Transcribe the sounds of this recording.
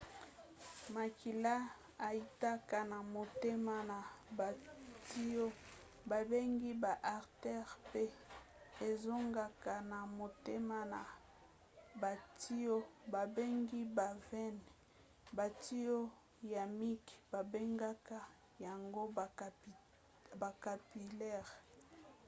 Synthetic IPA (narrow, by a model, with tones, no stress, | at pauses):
ma˨kʰi˨la˦ | a˨i˦ta˦ka˨na˨mo˨te˦ma˦na˨ba˨ti˦o˦ | ba˨be˦ŋɡi˦ba˨ʔa˨ʁtɛ˦ʁpe˦ | e˨zo˦ŋɡa˨ka˨na˨mo˨te˦ma˦na˨ | ba˨tʰi˦o˦ba˨be˦ŋɡi˦ba˨vɛ˦n | ba˨ti˦o˦ | ja˨mi˦kb̥a˨be˦ŋɡa˦ka˦ | ja˨ŋɡo˦˨ | ba˨ka˨pi˨lɛ˦˨ʁ